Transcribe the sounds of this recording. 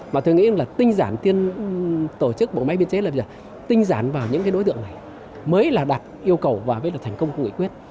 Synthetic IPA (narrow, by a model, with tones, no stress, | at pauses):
maː˨˩o˧jŋḭ˧˥ʔə˧ŋlaː˨˩t̪ï˧ŋ̟zaː˧˩nt̪i˧ən | t̪o˧˩t͡ɕɨ˦˥k̚ɓə̰˨˧˨ŋ͡mma˧jɓi˧ənt͡ɕe˨˦laː˨˩ɓə˧zəː˨˩ | t̪ï˧ŋ̟zaː˧˩nvaː˨˩wɲɨ̰˧˥ŋkaː˨˦ɗo˧˦jt̪ɨ̰˧˨əŋna˨˩j | məː˨˦jlaː˨˩ɗa˨˩t̚ʔi˧əwkə˨˩wvaː˨˩vəː˨˦jlaː˨˩t̪ʰɛ˨˩ŋ̟kə˧wŋ͡mkŋɨ̰˧˨kwi˦˥ət̚